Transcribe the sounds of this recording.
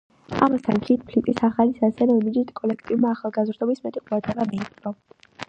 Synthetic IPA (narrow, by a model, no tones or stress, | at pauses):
a̰mast̪ʰa̰nkʰit̪̚pʰlik̪ʼisaχalisasɛnɛbid͡ʒit̪ʼkʼɔlɛkʰt̪ʼivmaːχalˠɡazɾd̪ɔbismɛt̪ʼiqʼuɾad̪ʁɛbamiːt̪ɔ